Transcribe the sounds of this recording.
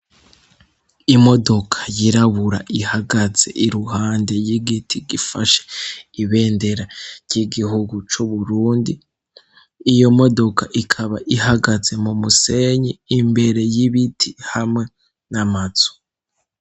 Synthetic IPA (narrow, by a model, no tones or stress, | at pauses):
imo̞do̞kʰḁjiɾaβuɾa̰ʔihaɡaze̞̰ʔiɾuhaːnde̞jiɡitʰiɡifa̰ʃe̥iβe̞ːnde̞ɾaɾɟiɡihuɡut͡ʃuβuɾuːndi | ijo̞mo̞do̞kʰaʔikʰaβaʔiɦaɡaze̞mumuse̞ɲiːmbe̞ɾe̞jiβitʰihamŋe̞ | namazo̥